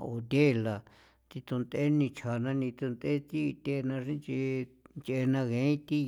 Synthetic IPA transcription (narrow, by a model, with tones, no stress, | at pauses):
o̰˧t̪ʲe˦˨˧la˨ | t̪i˧t̪u˧nd̪e˦nĩ˧t͡ʃʰa˨˧nã˧nĩ˧t̪u˧nd̪e˦t̪i˦˧t̪ʲe˧˦˧nã˧ʂĩ˦t͡ʃi˧nt͡ʃe˧nã˧ɣẽ˨˧˦ĩ˦t̪i˦